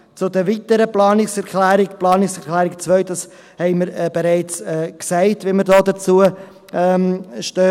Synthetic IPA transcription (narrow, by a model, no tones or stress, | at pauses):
t͡sʊdəviːtəɾəplɑːnɪksɛɾkʰlæːɾɪkplɑːnɪksɛɾklæːɾɪkt͡svœʏdɑs | hɛɪməɾɛb̥eɾaɪt͡sɛːksɛɪtviməɾdɔːdət͡suə | ɛʃtøː